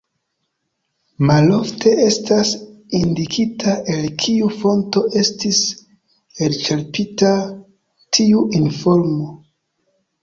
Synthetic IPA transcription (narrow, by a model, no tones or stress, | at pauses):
malo̞ftʰe̞ʔe̞stasindikʰitʰaʔe̞lkʰiufo̞nto̞ʔe̞stis | elt͡ʃeɾpita | tʰiuʔinfo̞ɾmo